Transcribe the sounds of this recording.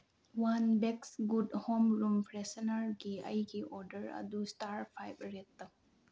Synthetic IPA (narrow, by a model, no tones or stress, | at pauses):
wanbeksɡudhomɾumpʰɾesɐnɐɾɡiəjɡiʔɔɾdəɾɐ̰dustaɾpʰajp̚ɾetːɐ